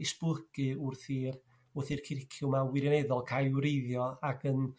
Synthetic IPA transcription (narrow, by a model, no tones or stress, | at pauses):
ɪsplˠəɡ̥ɨʊrθiːr | ʊrθiːrkʰɪrɪkʰjʊmawɪɾjɔnɛðɔlˠkʰajwɾejðjɔaɡən